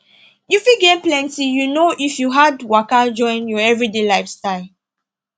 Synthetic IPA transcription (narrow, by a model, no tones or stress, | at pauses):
jufiɡẽmplɛ̃ntijunoʔifjuɦadwakad͡ʒɔ̃ɪ̃njɔɛvɹidelajfstaɪl